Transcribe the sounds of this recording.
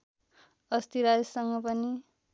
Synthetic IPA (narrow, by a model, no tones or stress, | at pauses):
ʌst̪iɾajsʌŋɡʌpʌni